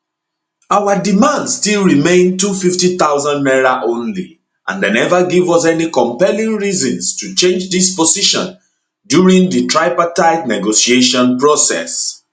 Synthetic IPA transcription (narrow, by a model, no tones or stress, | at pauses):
aʊwadimãndstilˠɹimẽɪ̃ntufiftiθaʊzãnmɛɹaʔõnlḭ | ʔã̰ndenɛvaɡivɔs̬ɛnikɔ̃mpɛlĩŋɹizɔ̃nstut͡ʃẽnd͡ʒdispɔsiʃɔ̰̃n | djuɹĩŋdɨtʰɹaɪpataɪtnɛɡosieʃɔ̃npɹosɛ̰s